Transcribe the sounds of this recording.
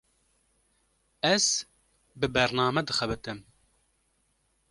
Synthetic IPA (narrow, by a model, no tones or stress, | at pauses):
ɛz̥ | bɨbɛɾnɑːmɛd̪ɨxɛbɨt̪ɨm